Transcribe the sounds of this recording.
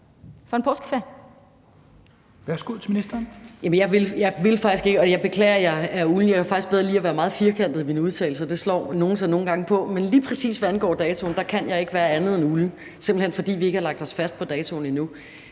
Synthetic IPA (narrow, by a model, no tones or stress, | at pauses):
fɒ̽enpʰɒːsɡ̥feɐ | ʋæɐsɡ̥uð̰ˠt͡sʰeminisd̥ɐːnjæmənjɑ̈ɪʋe̝ljɑ̈ɪʋe̝lfɑ̈ɡ̥isɡ̥e̝ɡ̥əɒjɑ̈ɪb̥e̝kʰlɛ̰ːɐjɑɪæuln̩jɑkʰæfɑ̈ɡ̥isɡ̥b̥eðˠʁɐliːæʋæːɐmɑ̈ːð̞̩ˠfiɐkʰæn̰d̥ð̩ˠienuð̞ˠt͡sʰɛ̰ɪl̩səɒd̥e̝slɒ̰ːno̝ːn̩sɒno̝ːn̩ɡ̥ɑ̈ŋəpʰɒ̽menliːpʰʁɛsḭːsʋæænɡ̥ɒ̰ːd̥ɛːt͡sʰo̝nd̥ɑ̈kʰæn̰jɑ̈ɪe̝ɡ̥ʋæːɐænð̩ˠenuln̩ | se̝mb̥l̩henfɒ̽d̥ḭːʋie̝ɡəhɑlɑ̈ɡ̥̚d̥ɒ̽sfæsd̥̚pʰɒ̽d̥ɛːt͡sʰo̝n̩inu